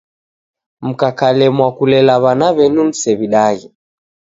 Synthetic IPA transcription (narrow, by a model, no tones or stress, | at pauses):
m̩kakalɛmwakulɛlaβanaβɛnun̩sɛβiɗaɣi